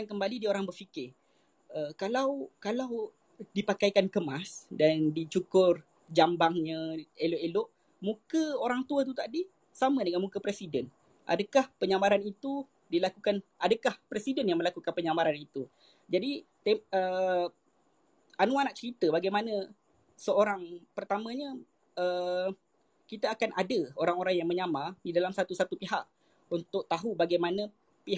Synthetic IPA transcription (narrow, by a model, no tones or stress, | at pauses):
ankəmbalidioɾaŋbərfikɪ | əkalawkalaw | dipakajkankəmasdandit͡ʃukʊr | d͡ʒambaŋɲə̃elʊʔelʊʔ | mũkəoɾaŋt̪uət̪̬ut̪adi | samə̃dəŋanmukəpɾesidən | ʔa̰dəkahpəɲamaɾanit̪u | dilakukanʔadakahpɾesidənjaŋməlakukanpəɲamaɾanit̪u | d͡ʒadit̪eə | anuanaʔt͡ʃəɾit̪əbaɡajmanə̃ | səoɾaŋpərt̪amə̃ɲə | ə | kit̪aːkanʔa̰dəoɾaŋoɾaŋjaŋmə̃ɲamadidalamsat̪usat̪upiɦaʔ | unt̪ʊʔ̚t̪aɦubaɡajmanə̃ | pi